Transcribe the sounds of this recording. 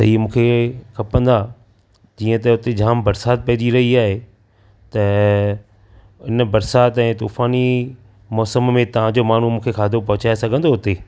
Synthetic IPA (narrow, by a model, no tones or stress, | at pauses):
sɐ̰ɦimũːkʰekʰɐpə̃nd̪a | d͡ʑiːə̃t̪ɐʊt̪ed͡ʑaːmbɐɾsaːt̪̚pɐɦd͡ʑiɾɐɦiaːɦe | t̪ɐ | ɪnbɐɾsaːt̪ɛ̃ːt̪uːfaːni | mɔːsəmmẽt̪ɐʋ̤ãd͡ʑoːmaːɳ̤umũːkʰekʰaːd̪ʱopɐɦʊt͡ɕaːesɐɡʱə̃nd̪oɦʊt̪e